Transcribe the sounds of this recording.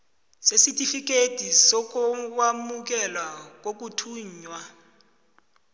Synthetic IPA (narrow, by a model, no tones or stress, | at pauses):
sesitʰʼifik̬ʼetisɔk̬uwamuk̬ɛlwak̬ok̬utʰuːɲwa